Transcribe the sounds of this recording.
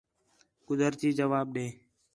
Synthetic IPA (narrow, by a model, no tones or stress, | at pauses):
ɡʊzəɾt̪iːd͡ʒəʋaːɓ̚ɗẽː